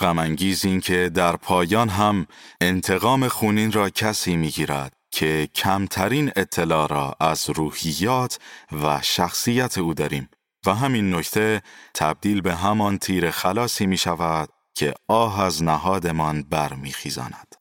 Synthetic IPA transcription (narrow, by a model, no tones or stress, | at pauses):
ɢ̥æmæŋɟiːziːncʰe̞d̪æɾpʰɒːjɒːnɦæme̞nt̪ʰe̞ɣɒːme̞xuːniːnrɒːcʰæsiːmiːɡiːɾæ̰d̪̥cʰe̞cʰæmt̪ʰæɾiːne̞t̪ʰːe̞lɒːɾɒːʔæzɾuːhijːɒːt̪ʰvæʃæxsijæt̪ʰe̞uːd̪ɒːɾiːm | væɦæminːo̞ct̪ʰe̞t̪ʰæb̚d̪iːlbe̞ɦæmɒnt̪ʰiːɾe̞xælɒːsiːmiːʃævæd̪̥̚ | cʰe̞ɒːɦæznæɦɒːd̪e̞mɒnbæɾmḭːxiːzɒ̰ːnæd̪̥